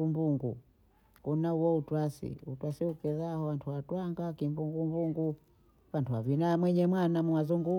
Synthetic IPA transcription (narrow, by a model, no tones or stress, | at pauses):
umbuŋɡṵ | kunauwɔutwasḭutwasiukɛzahɔwantʰuwatwaŋɡakimbuŋɡumbuŋɡu | wantuwavinamwɛɲɛmwanamuwazuŋɡu